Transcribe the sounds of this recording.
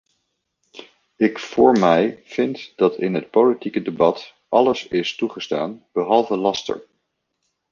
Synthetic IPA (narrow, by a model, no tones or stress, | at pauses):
ɪkfʊːɹmɛjv̥ɪntd̥ɑtɪnɦət̚powlitikədebɑt | ʔɑləsɪstuχəsta̰ːnb̥əɦɑlˠvəlɑstə̰ɹ